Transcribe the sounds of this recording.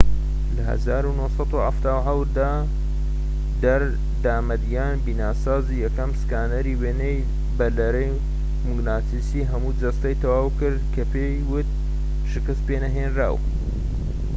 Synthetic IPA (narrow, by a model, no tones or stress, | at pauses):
lɐɦɐ̰zaːɾunohsɑt̪uhaft̪aːwħawt̪d̪aː | d̪ɐɾ | d̪aːmɐd̪ijaːnbiːnaːsaːzijɐkɐmskaːnɐɾiːweːnej | bɐlɐɾɐj | muɡnaːt̪isiɦɐmud͡ʒɐst̪ɐjt̪ʰɐwaːwkɨɾd̪kʰɐpʰejwʊt̪̚ | ʃɨkɨst̪̚peːnɐɦeːnra̰ːw